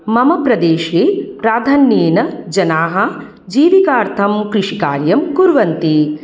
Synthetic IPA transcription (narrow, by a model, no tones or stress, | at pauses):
mɐmɐpɾɐd̪eːʃiːpɾaːd̪ʱanːjeːnɐd͡ʒɐnaːɦɐ̆ | d͡ʒiːʋikaːɾt̪ʰɐmkɾɪʂikaːɾjɐmkuɾʋɐnt̪i